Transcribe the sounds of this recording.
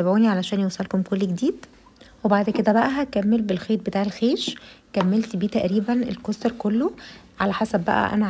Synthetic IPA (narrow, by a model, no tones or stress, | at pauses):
æbʕuːniʕalæʃæːnjewsˤælkomkolːɡed̪iːd̪̥ | webaʕd̪ked̪æbæʔæɦækæmːelbelxeːt̪̚bet̪aːʕelxeːʃkæmːelt̪biːt̪æʔɾiːbænʔḛlkost̪eɾkolːoʕalæħasæbːæ̰ʔæ̰ʔæ̰næ